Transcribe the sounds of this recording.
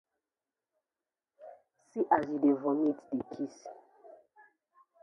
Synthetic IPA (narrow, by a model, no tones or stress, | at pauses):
siʔazidevɔmitdekʰis